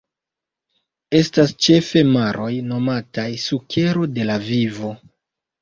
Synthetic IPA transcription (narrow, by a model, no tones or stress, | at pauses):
e̞stast͡ʃe̞fe̞maɾʔo̞jno̞matajsuke̞ɾo̞de̞lavivo̞